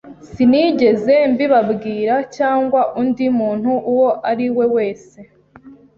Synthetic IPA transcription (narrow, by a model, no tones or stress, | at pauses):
siniɟe̞ze̞mbiβabɡiːɾacaːŋɡwaʔundimuːn̥huʔuwo̞ʔaɾiwe̞we̞ːse̞